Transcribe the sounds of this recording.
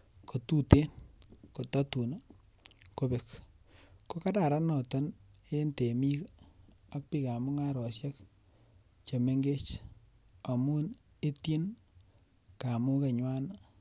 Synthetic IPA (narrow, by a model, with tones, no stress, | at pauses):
ko˨tu˦te˦nko˨tɔ˦tu˨n˦ | ko˨be˨k | ko˦ka˦da˨ɾa˦nɔ˨tɔ˦ne˦nte˨mi˦k | a˦k̚pi˦ka˨mʊ˦ŋa˦ɾɔ˨sja˦k̚ | t͡ʃe˨me˦ŋɡe˦t͡ʃ | a˨mu˦n | e˦ti˦n | ka˨mu˦ke˨ɲwa˦n